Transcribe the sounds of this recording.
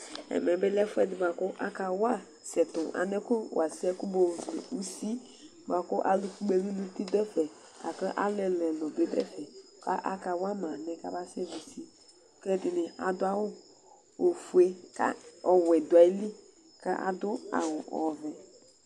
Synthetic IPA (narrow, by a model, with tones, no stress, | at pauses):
ɛ̰˨mɛ˨bɛ˦lɛ˦fʊ˦ɛ˨dɪ˨ba˨kʊ˦ʔa˦ka˨wa˦˨ | sɛ˨tʊ˨a̰˨nɛ˦kʊ˦wa˨sɛ˦kʊ˦bo˨vli˨u˦si˦ | ba˨kʊ˦ʔa˦li˨ku˦ɡ͡be˦bi˦nu˦ti˦dɛ˦fɛ˨ | ka˨kə˦ʔa˦lɛ˨lɛ˨lɔ˨be˦dɛ̰˦fɛ˨ | ka˦ʔa̰˦ka˨wa˦ma˨nɛ˨ka̰˦ba˦sɛ˦vi˨si˦ | kɛ˦dɪ˨nɪ˨a̰˨dʊ˦a˦wʊ˦ | o˨fu˨e˦ka̰˦ɔ˨wɛ˨dʊ˨a˨i˦li˦ | ka˦ʔa̰˨dʊ˦a̰˨wʊ˨ɔ̰˨vɛ˨